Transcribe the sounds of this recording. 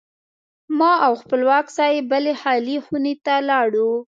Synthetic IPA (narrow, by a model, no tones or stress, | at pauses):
mɑawxpəlwɑkz̥ɑjebəlehɑlixunet̪alɑɽu